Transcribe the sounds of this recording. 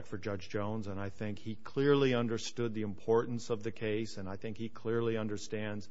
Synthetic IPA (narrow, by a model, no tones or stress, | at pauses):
k̚tfə˞d͡ʒʌd͡ʒd͡ʒõʊ̃nzə̃naɪθɪ̃ŋkhikʰl̥ɪɹliʌ̃ndə˞stʊd̪̚ðiɨ̃mpʰɔɹʔn̩sʌvðɨkʰeɪsɨ̃naɪθɪ̃ŋkhikʰl̥ɪɹliʌ̃ndə˞stæ̃ndz̥